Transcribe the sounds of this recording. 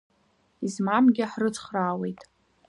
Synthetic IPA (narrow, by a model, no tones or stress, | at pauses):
izmamɡʲɪħrɨt͡sʰʼχraːwe̞jtʼ